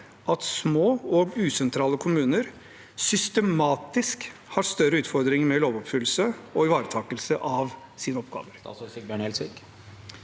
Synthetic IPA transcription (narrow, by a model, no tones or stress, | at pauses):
ʔɑt̪smoːɔɡʉːsɛnt̪ʰɾɑːləkʰʊmʉːnəɾ | sʏst̪əmɑːt̪ɪskhɑɾst̪œɾəʉːt̪fɔɾd̪ɾɪŋəmɛloːʋɔpfʏlːsəɔɪʋɑːɾət̪ʰɑːkəlsəʔɑʋ | siːnəɔpɡɑ̰ːʋəɾbøɳɛlsʋɪk